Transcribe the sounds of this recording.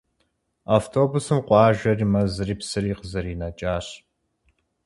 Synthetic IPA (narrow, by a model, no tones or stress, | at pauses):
aːftʰoːbusɨmqʷʼɑːʒɐriːmɐzɨriːpsɨɾiːqəzɐɾiːnɐt͡ʃʼaːɕ